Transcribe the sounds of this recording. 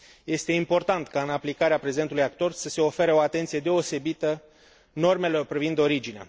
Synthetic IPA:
je̞st̪e̞impo̞rt̪ant̪kaɨnaplikaɾeapɾe̞ze̞nt̪ulujak̚t̪o̞rsəse̞o̞fe̞ɾeo̞at̪e̞nt̪sije̞d̪e̞o̞se̞bit̪ə | no̞rme̞lo̞rpɾivind̪o̞ɾid͡ʒinea̰

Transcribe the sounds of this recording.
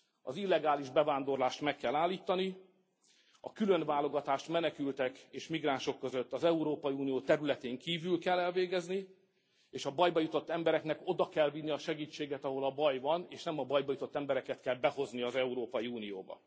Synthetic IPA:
ɒ̰zilːɛɡaːliʒbɛvaːnd̪o̞rlaːʃt̪mɛkːɛlːaːlːiːt̪ːɒni | ɒ̰kylønvaːlo̞ɡɒt̪aːʃt̪mɛnɛkylt̪ɛkeːʃmiɡraːnʃo̞kːøzøt̪ːɒzɛuɾoːpɒjiuːnijoːt̪ɛɾylɛt̪eːŋkiːvylkɛlːɛlveːɡɛzni | eːʃɒbɒjbɒjut̪o̞t̪ːɛmbɛɾɛknɛko̞d̪ɒkɛlvinːiɒʃɛɡiːt͡ʃːeːɡɛt̪ɒɦo̞lɒbɒjvɒneːʃnɛmɒbɒjbɒjut̪o̞t̪ːɛmbɛɾɛkɛt̪kɛlbɛho̞zniɒzɛuɾoːpɒjiuːnijo̰ːbɒ̰

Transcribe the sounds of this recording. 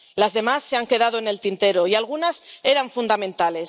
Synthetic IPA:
lazðe̞masːe̞aŋke̞ð̞að̞oene̞lt̪int̪e̞ɾo̞ialɣ̞unase̞ɾaɱfund̪amẽ̞nt̪ale̞s

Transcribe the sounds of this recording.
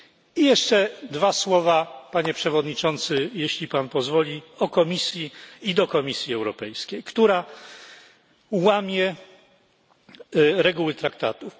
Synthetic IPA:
ijɛʂt͡ʂɛd̪vaswɔvapaɲɛpʂɛvɔd̪ɲit͡ʂɔnt̪sɘjeɕlʲipanpɔzvɔlʲiɔkɔmʲisʲjiid̪ɔkɔmʲisʲjiɛwɾɔpɛjskʲejkt̪uɾa | wamʲjɛ | ɾɛɡuwɘt̪ɾak̚t̪a̰t̪u

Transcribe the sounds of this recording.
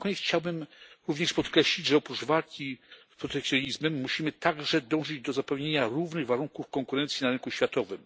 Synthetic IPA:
kɔɲɛxʰt͡ɕawbɘmɾuvɲɛʂpɔt̪kɾɛɕlʲid͡ʑʐɛɔpɾud͡ʐvalkʲispɾɔt̪ɛk̚sʲjɔɲizmɛmːuɕimɘt̪aɡʐɛd̪ɔ̃w̃ʐɘd͡ʑd̪ɔzapɛwɲeɲaɾuvnɘɣvaɾuŋkufkɔŋkuɾɛnt̪sjinaɾɛŋkuɕfʲat̪ɔvɘm

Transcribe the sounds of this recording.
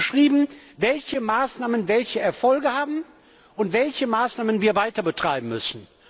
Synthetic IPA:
ʃʁ̥iːbm̩vɛlçəmaːsnaːmənvɛlçəɛɐfɔlɡəhaːbm̩ | ʊntv̥ɛlçəmaːsnaːmənviːɐvaɪtɐbətʁ̥aɪbm̩mʏsn̩

